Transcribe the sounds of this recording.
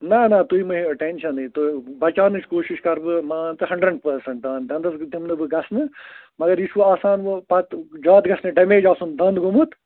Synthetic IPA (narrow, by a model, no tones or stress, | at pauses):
nɐnɐt̪uimɐɦiɐʈenʃɐnɨt̪obɐt͡ʃaːnɨt͡ʃʰkoːʃiʃkɐɾbɨmaːnt̪ɨɦɐ̃ɳɖɾeɖ̚pɐɾsɐ̃ɳʈ̚d̪aːnd̪ɐnd̪ɐsd̪imnɨbɨɡɐsnɨmɐɡɐɾjiʃuʋaːsaːnʋɨpɐt̪d͡ʒaːt̪ɡɐsnɨɖɐmeːd͡ʒaːsund̪ɐnd̪ɡumut̪